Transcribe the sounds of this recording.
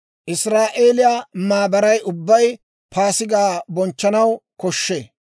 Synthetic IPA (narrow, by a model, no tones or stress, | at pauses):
ʔɪsɾaːʔeːlɪjamaːbɐɾɐjʔʊbːɐj | paːsɪɡaːbɔnt͡ʃːɐnɐwkɔʃːeː